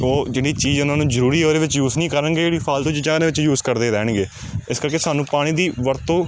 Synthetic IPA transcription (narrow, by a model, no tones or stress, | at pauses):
oːd͡ʒɪːɽiːt͡ʃiːzʊnãːnũːzəɾuːɾiːoːɾeːʋɪt͡ʃjuːznĩːkəɾənɡeeːɽiːpʰaːlt̪õːt͡ʃd͡ʒaːneːʋɪt͡ʃjuːzkəɾd̪eːɾɛːɳ̃ɡeː | ɪskəɾkeːsaːnũːpaːɽ̃ĩːd̪iːʋəɾt̪õː